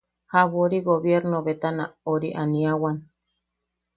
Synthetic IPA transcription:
haβoɾiɡoβjeɾnoβet̪ana̰oɾiʔaniawan

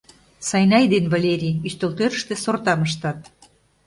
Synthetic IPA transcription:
sɑjnɑjd̪envɑlʲeɾʲiyst̪olt̪øɾəʃt̪ĕsort̪ɑməʃ̬t̪ɑt̪

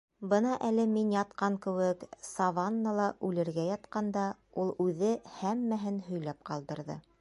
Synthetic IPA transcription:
bɤnɑʔælɘminjɑt̪̚qɑŋkɘ̆wɘksɑvɑnːɑlˠɑʔʉlɘ̆ɾɡæjɑt̪qɑnd̪ɑulˠʉðɘhæmːæɦɘnhɵ̆jlæp̚qɑlˠd̪ɤ̆ɾðɤ̰

